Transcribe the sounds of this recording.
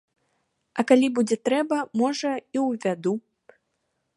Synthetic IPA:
ɐkalʲibud͡zʲɛt̪ɾɛbɐmɔʐɐiwvʲad̪u

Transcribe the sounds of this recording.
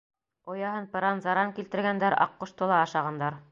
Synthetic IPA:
ŏjɑɦɤnpɤ̆ɾɑnzɑɾɑŋkilt̪ɘ̆ɾɡænd̪æɾɑ̰qːŏʃt̪ŏlˠɑːʃɑʁɑnd̪ɑɾ

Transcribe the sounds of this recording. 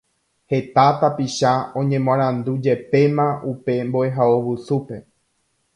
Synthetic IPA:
he̞t̪at̪apiʃaõɲẽ̞mãɾ̃ãnd̪ud͡ʒe̞pe̞mãʔupe̞mboeɦaoʋɨsupe̞

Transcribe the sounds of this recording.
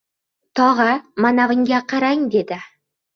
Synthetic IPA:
t̪ʰɒʁɑmanavɪŋɡʲaqʰɑɾajɪŋd̪e̞d̪ɪ

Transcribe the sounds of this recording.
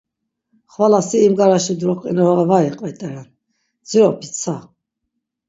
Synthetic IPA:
χvalasiːmɡaɾaʃid̪ɾɔqʼinɔɾɔɛvaiqʼvɛt̪ʼɛɾan | d͡ziɔpʰit͡sʰa

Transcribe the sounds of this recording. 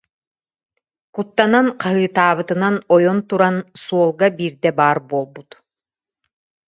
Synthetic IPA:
kut̪ːananqaɦɯːt̪aːβɯt̪ɯnanɔjɔnt̪uɾansuɔlˠɡabiːɾd̪ɛbaːɾbuɔːlˠbut̪

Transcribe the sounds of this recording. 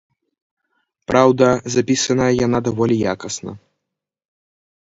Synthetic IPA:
pɾawd̪ɐzapʲisɐnəjɐjanad̪avɔlʲija̰kɐsnɐ̰

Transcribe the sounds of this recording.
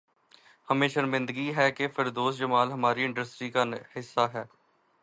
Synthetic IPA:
həmẽːʃənmɪ̃nd̪ɡiɦɛːkefʰəɾd̪oːsd͡ʒəmaːlɦəmaːɾiɪ̃ɳɖəsʈɾiːkanhɪsːaːɦɛː

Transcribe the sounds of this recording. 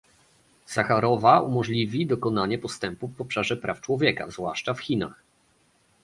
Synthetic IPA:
saxaɾɔvaṵmɔʐlʲivʲid̪ɔkɔnaɲɛpɔst̪ɛmpuvɔpʂaʐɛpɾʔaft͡ʂwɔvʲjɛka̰zvwaʂt͡ʂafxʲina̰x

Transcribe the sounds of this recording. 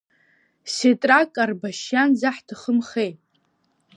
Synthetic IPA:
setʼrakʼarbaʃjanzaħdʰɨχəmχejtʼ

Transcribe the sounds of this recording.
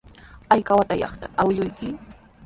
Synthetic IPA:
ajkawat̪ajɑ̰χt̪aʔawɪʎʊjkɪ

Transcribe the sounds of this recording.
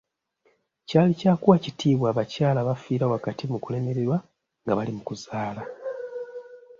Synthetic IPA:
caːlicaːkuwacitʰiːβwaːβacaːlaβafiːɾawakatimukule̞me̞ɾeɾwa | ŋɡaβalimukuzaːla

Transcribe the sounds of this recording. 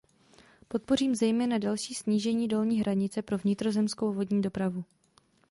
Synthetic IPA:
po̞t̪̚po̞r̝iːmzɛjmɛːnadalʃiːsɲiːʒɛɲiːdo̞lɲiːɦɾaɲɪt͡sɛpɾo̞vɲɪt̪ɾo̞zɛmsko̞wvo̞dɲiːdo̞pɾavu

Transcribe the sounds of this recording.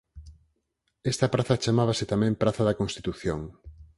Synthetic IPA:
ɛst̪ɐpɾaθɐt͡ʃamaβasɪt̪amɛ̃mpɾaθɐðɐkõnst̪i̥t̪uθjoŋ

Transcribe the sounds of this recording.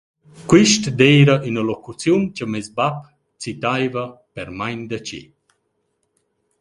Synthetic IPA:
kwiʃtd̪ɛjɾaʔynəlokut͡sjunt͡ʃəmɛzbap | t͡sit̪ajvəpɛɾmajnd̪ət͡ʃḭ

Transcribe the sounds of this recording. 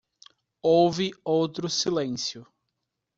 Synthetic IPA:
owvɪowt̪ɾʊsilẽsjʊ

